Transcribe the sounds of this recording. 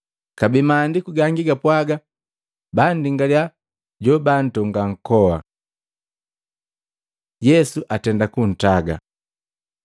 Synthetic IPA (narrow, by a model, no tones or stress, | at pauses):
kabimaːndikuɡaŋɡiɡapwaɡa | bandiŋɡalja | ɟɔban̩tɔŋɡaŋ̩kɔwa̰ | jɛsuʔatɛndakun̩taɡa̰